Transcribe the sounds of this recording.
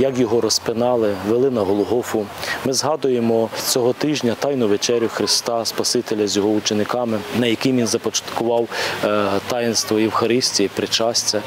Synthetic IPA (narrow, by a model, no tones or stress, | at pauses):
jɐkjɔɦɔɾɔspɪnɑlˠɪʋelˠɪnɐɦɔlˠɔɦɔfʊmɪzɦɑd̪ʊjemɔt͡sʲɔɦɔt̪ɪʒnʲɐt̪ɑjnʊʋet͡ʃɛɾʲjʊxɾɪst̪ɑspɐsɪt̪elʲɐzʲjɔɦɔʊt͡ʃenɪkɑmɪnɐjɐkɪmʋinzɐpɔt͡ʃɐ̥t̪kʊʋɑw | t̪ɑjɪnst̪ʋɔiwxɐɾɪsʲtʲijipɾɪt͡ʃɑsʲtʲɐ